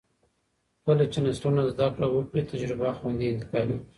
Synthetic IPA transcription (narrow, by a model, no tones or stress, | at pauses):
kalat͡ʃenasʈunazd̪akɽawəkɽit̪ad͡ʒɾɪbaxwand̪iɪnt̪ɪ̥kɑwi